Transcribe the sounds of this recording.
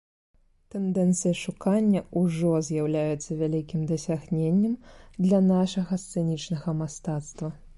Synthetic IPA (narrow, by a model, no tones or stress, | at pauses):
t̪ɛnd̪ɛnt̪sɨjɐʂukanʲːɐuʐɔzʲjawlʲajɛt̪sːɐvʲalʲikʲimd̪ɐsʲaɣnʲenʲːɛmd̪lʲɐnaʂɐɣɐst̪sɛnʲit͡ʂnɐɣɐmast̪at̪st̪vɐ